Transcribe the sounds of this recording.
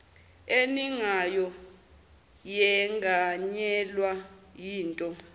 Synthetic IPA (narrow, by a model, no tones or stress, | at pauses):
eniŋajɔ | jɛŋaɲɛlwajiːntʼɔ